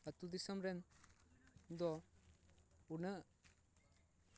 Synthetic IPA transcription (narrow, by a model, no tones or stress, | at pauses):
ɐt̪ud̪isɐmɾen | d̪ɔ | unɯ